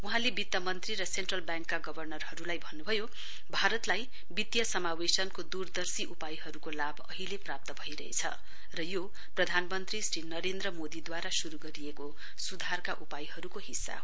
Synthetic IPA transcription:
uɦãlebit̪jʌmʌnt̪riɾʌsenʈrʌlbjaŋkːaɡʌbʱʌrnʌrhʌɾulajbʱʌnːubʱʌjo | bʱaɾʌt̪laj | bit̪jʌsʌmawesʌnkod̪urd̪ʌrsiʔupajɦʌɾukolabʌɦileprap̚t̪ʌbʱʌiɾʌ̰ɦḛt͡sʰʌ̰ | rʌjo | prʌd̪ʱanmʌnt̪risrinʌɾend̪rʌmod̪id̪waɾasuɾuɡʌɾieko | sud̪ʱarkaʔupajiɦʌɾukoɦisːa̰

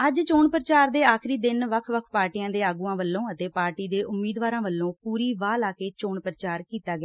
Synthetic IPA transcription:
əd͡ʒt͡ʃoːɳpɾət͡ʃaːɾd̪eːaːkʰɾiːd̪ɪnʋəkʰʋəkʰpaːɾʈijãːd̪eːaːɡuːãːʋəlːõːət̪eːpaːɾʈiːd̪eːʔʊmːiːd̪ʋaːɾãːʋəlːõːpuːɾiːʋaːlaːkeːt͡ʃoːɳpɾət͡ʃaːɾkiːt̪aːɡɪjaː

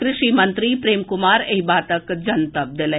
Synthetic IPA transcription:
kɾɪʃimɐ̃nt̪ɾipɾeːmkʊmaːɾeɦibaːt̪əkd͡ʒɐnt̪ɐb̚d̪ɪle

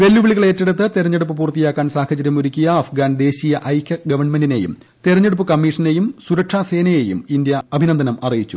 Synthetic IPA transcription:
ʋe̞lːuʋiɭiɣɐɭetːeɽut̪ːɨt̪eɾɐɲːeɽupːɨpuːrt̪ːijaːkːaːnsaːhɐt͡ɕɐɾjɐmuɾukʲːujɐːfɡaːnd̪e̞ːɕijɐʔɐjkːɐɡɐʋɐɳmendine̞jṵm | t̪eɾɐɲːeɽup̬ːɨkɐmːiːʂɐne̞jumsuɾɐʈʂaːse̞ːnɐje̞jumind̪jɐːbʱinɐnd̪ʱɐnɐmɐrijit͡ɕːu

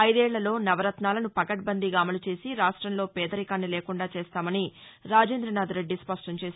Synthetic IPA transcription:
ɐjd̪ɛːɭːɐlo̞ːnɐʋɐɾɐt̪naːlɐnupɐkɐʈ̚bɐnd̪iɡaːmɐlut͡ʃe̞ːsiɾaːʂʈɾɐmlo̞ːpɛːd̪ɐɾikaːnːileːkuɳɖaːt͡ʃeːst̪aːmɐniɾaːd͡ʒeːnd̪ɾɐnaːd̪ɾe̞ɖːispɐʂʈɐɲt͡ʃeːs

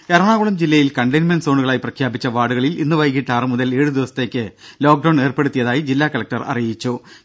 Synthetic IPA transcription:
eɾɐɳaːɣuɭɐmd͡ʑilːɐjilkɐɳɖɐjnmɐnɖso̞ːɳuɣɐɭaːjiprɐkʰjaːbit͡ɕːɐʋaːɽuɣɐɭilinːuʋɐjk̬ːiʈːaːrɨmuðɐleːɻud̪iʋɐsɐ̥t̪ːe̞ːkʲːɨlo̞ːk̚ɖɐwɳne̞ːrpeɽut̪ːijɐðaːjid͡ʑilːaːkɐlɐk̚ʈɐrɐ̰rijit͡ɕːu

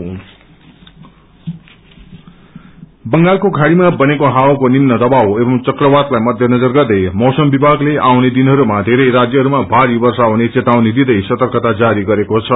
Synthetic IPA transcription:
bʌŋɡalkokʰaɽimabʌnekoɦawakonimnʌd̪ʌbawebʌmt͡sʌkrʌbad̪lajmʌd̪ʱjʌnʌd͡zʌrɡʌrd̪ʌjmʌwsʌmbibʱaɡleʔawned̪inɦʌɾumad̪ʱeɾʌjɾad͡zjʌɦʌɾumabʱaɾibʌrsaonet͡set̪awnid̪id̪ʌjsʌt̪ʌrkʌt̪ad͡zaɾiɡʌɾekot͡sʰʌ

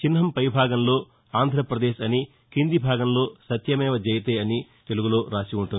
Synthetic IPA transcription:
t͡ʃinɦɐmpɐjbʱaːɡɐmlo̞ː | aːnd̪ʱɾɐpɾɐd̪eːʃɐni | kind̪ibʱaːɡɐmlo̞ːsɐt̪jɐmɛːʋɐd͡ʒɛːjɐt̪eːɐnit̪e̞luɡuloːɾaːsiuɳʈun

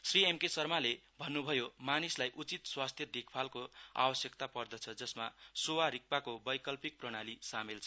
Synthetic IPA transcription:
sriemkesʌrmalebʱʌnːubʱʌjomanislajʔut͡sit̪swast̪ʰjʌd̪ikʰpʰalkoa̰bʌsjʌkt̪apʌrd̪ʌt͡sʰʌd͡zʌsmasowaɾik̚pakobʌjkʌlpik̚prʌɽ̃alisamelt͡sʰʌ

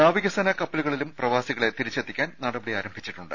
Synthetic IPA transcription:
aːʋiɣɐsɐnɐkɐpːɐluɣɐɭilumprɐʋaːsiɣɐɭe̞t̪iɾit͡ɕːet̪ʰːikʲːaːnnaːɽɐbɐɽiaːɾɐmbʱit͡ɕːiʈːuɳɖɨ

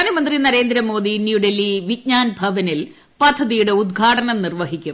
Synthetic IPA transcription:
aːnɐmɐnd̪rinɐɾe̞ːnd̪ɾɐmo̞ːd̪injuɖelːiʋit̚ɲaːnbʱɐʋɐnil | pɐd̪ʱːɐðijuɽe̞ud̪ɡʱaːʈɐnɐmnirʋɐɦikʲːum

